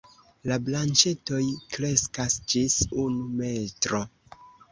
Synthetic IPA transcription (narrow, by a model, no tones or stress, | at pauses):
lablant͡ʃe̞to̞jkɾe̞skasd͡ʒisunume̞tɾo̞